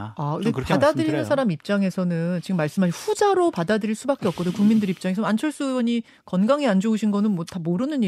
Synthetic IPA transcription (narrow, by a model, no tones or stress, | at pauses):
aɯepadadɯɾinɯnsʰaɾamip̚t͡ɕ͈aŋe̞sʰʌnɯnt͡ɕiɡɯmːaɭs͈ɯmɦaɕʰɸud͡ʑaɾopadadɯɾiɭs͈ubak͈e̞ʌp̚k͈ʌdokuŋmindɯɾip̚t͡ɕ͈aŋesʰʌant͡ɕʰʌɭs͈uʌɲi | kʌnɡaŋiand͡ʑouɕʰinɡʌnɯnmwʌtʰamoɾɯnɯni